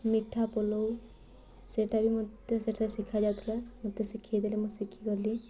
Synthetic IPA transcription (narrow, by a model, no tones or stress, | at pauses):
miʈʰːapɔlow | seʈabʱimɔt̪eseʈʰaɾesikʰad͡ʒat̪ʰilamot̪ːesikʰad̪elemũsikʰikɔli